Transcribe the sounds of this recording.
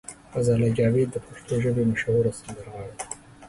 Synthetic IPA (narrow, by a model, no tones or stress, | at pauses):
fazɑːlad͡ʒɑːwed̪ːəpaʂt̪ʰoʒəbemaʃahuɾasand̪əɾɣɑːɽe